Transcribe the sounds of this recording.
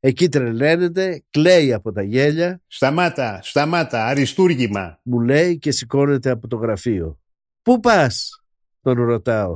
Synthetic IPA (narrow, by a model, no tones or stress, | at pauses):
e̞cit̪̬ɾele̞ne̞t̪e̞kle̞jɐpo̞t̪ɐʝe̞ʎɐst̪ɐmat̪ɐst̪ɐmɐt̪ɐːɾist̪uɾʝimɐ̰mule̞jce̞siko̞ne̞t̪e̞ɐpo̞t̪o̞ɣɾɐfio̞̰ | pupɐs | t̪o̞nɾo̞t̪ɐo̞